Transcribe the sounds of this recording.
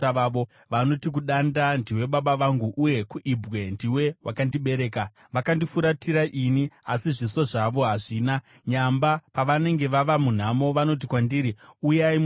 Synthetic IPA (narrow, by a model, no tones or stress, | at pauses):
aʋaʋo̞ | ʋano̞tik̬uɗandandiwe̞ɓaɓaʋaŋɡuʔuje̞kuʔibwe̞ndiwe̞wa̰kandiɓe̞ɾe̞ːka | ʋakandifuɾatʰiɾaʔiniasiʐiso̞ʐaʋo̞ɦaʐiːna | ɲambapaʋane̞ŋɡe̞ʋaʋamun̤amo̞ʋano̞t̬ikwandiɾiujaim